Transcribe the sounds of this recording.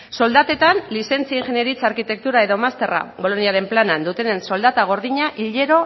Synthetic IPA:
so̞ld̪at̪e̞t̪anlise̞nt͡siaiŋʝe̞neɾit͡saɾkit̪e̞k̚t̪uɾae̞ðo̞mast̪e̞ra̰βo̞lo̞niaɾe̞mplanand̪ut̪e̞nenso̞ld̪at̪aɣ̞o̞ɾðiɲaʔiʎe̞ɾo̞

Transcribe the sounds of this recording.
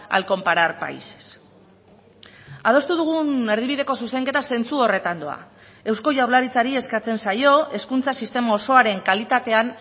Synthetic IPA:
a̰lko̞mpaɾaɾpa̰ise̥s | að̞o̞st̪uð̞uɣ̞une̞ɾð̞iβ̞iðe̞ko̞suse̞ŋke̞t̪ase̞nt͡suo̞re̞t̪and̪o̞̰a̰ | e̞wsko̞ʝawɾlaɾit͡saɾie̞skat͡se̞nsajo̞e̞skunt͡sasist̪e̞mao̞so̞aɾe̞ŋkalit̪at̪e̞an

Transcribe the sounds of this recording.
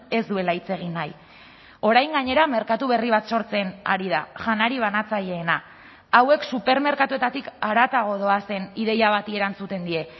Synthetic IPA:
e̞zd̪ue̞lait͡se̞ɣ̞inaj | o̞ɾajŋɡaɲe̞ɾame̞ɾkat̪uβ̞e̞riβ̞at̪so̞ɾt͡se̞na̰ɾiðaʝanaɾiβ̞anat͡saʎe̞ːnaː | we̞ksupe̞ɾme̞ɾkat̪ue̞t̪at̪ikaɾat̪aɣo̞ð̞o̞ase̞niðe̞jaβ̞at̪ie̞ɾant͡sut̪e̞nd̪ie̞

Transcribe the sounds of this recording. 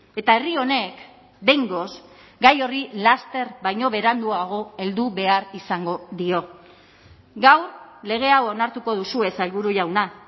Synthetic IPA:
e̞t̪ae̞rio̞ne̞k | be̞jŋɡo̞s | ɡajo̞rilast̪e̞rβajɲo̞βe̞ɾand̪uaɣ̞o̞e̞ld̪uβe̞aɾisaŋɡo̞ðio̞ | ɡawrle̞ɣ̞e̞awonaɾt̪uko̞ð̞usue̞salβuɾuʝawna

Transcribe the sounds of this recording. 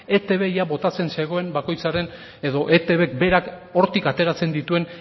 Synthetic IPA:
e̞t̪e̞βe̞jaβo̞t̪at͡se̞nse̞ɣ̞o̞e̞mbako̞jt͡saɾe̞n | e̞ðo̞ʔe̞t̪eβe̞k̚be̞ɾako̞ɾt̪ikat̪e̞ɾat͡se̞nd̪it̪ue̞n

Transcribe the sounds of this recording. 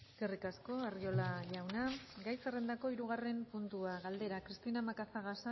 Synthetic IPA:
eske̞rikasko̞ario̞laʎawnaɡajsere̞nd̪ako̞iɾuɣ̞are̞mpunt̪uaɣald̪e̞ɾakɾist̪inamakaθaɣasa

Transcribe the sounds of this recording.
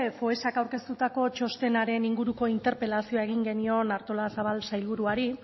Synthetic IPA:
fo̞esakawɾke̞st̪ut̪ako̞t͡ʃo̞st̪e̞naɾe̞niŋɡuɾuko̞int̪e̞ɾpe̞lasio̞ae̞ɣiŋɡe̞nio̞naɾt̪o̞lasaβalsajlβuɾuaɾi

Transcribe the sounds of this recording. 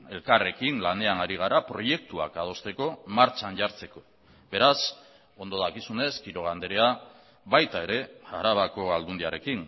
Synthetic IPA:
e̞lkare̞kinlane̞anaɾiɣ̞aɾapɾo̞je̞k̚t̪ua̰kað̞o̞st̪e̞ko̞maɾt͡ʃanʝaɾt͡se̞ko̞ | be̞ɾas | o̞nd̪o̞ðakisune̞skiɾo̞ɣand̪eɾe̞a | βajt̪ae̞ɾe̞aɾaβ̞ako̞ald̪und̪iaɾe̞kin

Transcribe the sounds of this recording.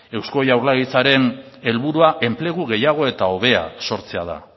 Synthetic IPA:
e̞wsko̞jawɾlaɣit͡saɾe̞ne̞lβuɾuaʔe̞mple̞ɣuɣe̞jaɣ̞o̞e̞t̪ao̞β̞e̞a̰so̞ɾt͡se̞aða̰

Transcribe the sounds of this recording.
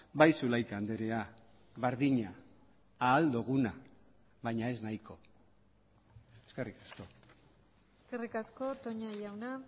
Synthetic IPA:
bajsulajk̪and̪eɾea | βeɾðiɲaː | ld̪uɣ̞una | βajɲae̞znajko̞ | eskerikasko̞ | eskerikasko̞t̪oɲajawna

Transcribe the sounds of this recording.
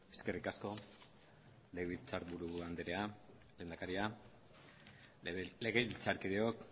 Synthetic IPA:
e̞ske̞rikasko̞ | leɣilt͡saɾbuɾuand̪eɾea | lend̪akaɾia | le̞ɣe̞βilt͡saɾkiðeo̞k

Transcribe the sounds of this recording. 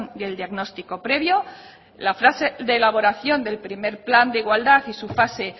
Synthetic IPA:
nd̪e̞ld̪jaɣno̞st̪iko̞pɾe̞βjo̞ | lafɾase̞ðeːlaβ̞o̞ɾaθjo̞nd̪e̞lpɾime̞ɾpland̪eiɣwald̪aθisufase̞

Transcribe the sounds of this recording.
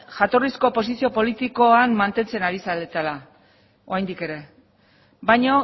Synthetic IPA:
xat̪o̞risko̞po̞sisio̞po̞lit̪iko̞anmant̪e̞nt͡se̞naɾisalet̪ala | o̞ajnd̪ike̞ɾe̞ | bajɲo

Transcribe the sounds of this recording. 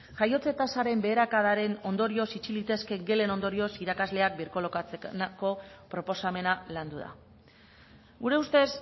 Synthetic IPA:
ʝajo̞t͡se̞t̪asaɾe̞mbe̞ːɾakaðaɾe̞no̞nd̪o̞ɾio̞sit͡ʃilit̪e̞ske̞ŋɡe̞le̞no̞nd̪o̞ɾio̞siɾakazle̞ak̚biɾkolokat͡senko̞pɾo̞po̞same̞naland̪uða̰ | ɡuɾe̞ust̪e̞s

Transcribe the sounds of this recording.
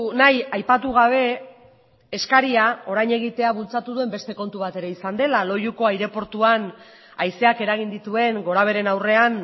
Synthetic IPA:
najajpat̪uɣ̞aβ̞e̞ː | skaɾiao̞ɾajɲe̞ɣ̞it̪e̞aβult͡sat̪uðue̞mbe̞st̪e̞ko̞nt̪uβ̞at̪e̞ɾe̞isand̪e̞lalo̞juko̞ajɾe̞po̞ɾt̪uan | ajse̞ake̞ɾaɣ̞ind̪it̪ue̞ŋɡo̞ɾaβ̞e̞ɾe̞nawre̞an

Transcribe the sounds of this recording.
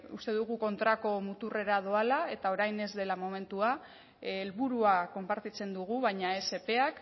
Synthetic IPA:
ust̪e̞ðuɣ̞uko̞nt̪ɾako̞mut̪ure̞ɾaðoalae̞t̪ao̞ɾajne̞zd̪e̞lamo̞me̞nt̪ua | elβuɾuako̞mpaɾt̪it͡se̞nd̪uɣ̞uβajɲae̞se̞pe̞ak

